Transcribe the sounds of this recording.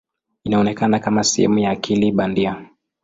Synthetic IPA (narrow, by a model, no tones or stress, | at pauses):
inaɔnɛkanakamasɛ̰hɛ̰mujaːkʰiliɓandia